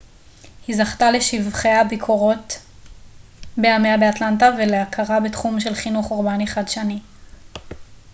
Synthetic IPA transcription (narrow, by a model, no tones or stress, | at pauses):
hizaχtale̞ʃivχeabikʰoʁo̞t | beameabeatlantaveleakʰaʁabetχumʃe̞lχinuχoʁbaniχadʃani